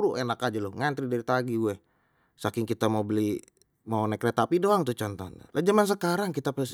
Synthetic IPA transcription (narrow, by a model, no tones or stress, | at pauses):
ɾuʔenakad͡ʒalʊhŋant̪ɾidaɾit̪aɡiuɛ | sakɪŋkit̪amaubəli | maunɛkɾɛt̪apidoaŋt̪ut͡ʃɔnt̪ɔna̰lʔad͡ʒamans̬əkaɾaŋkit̪apəls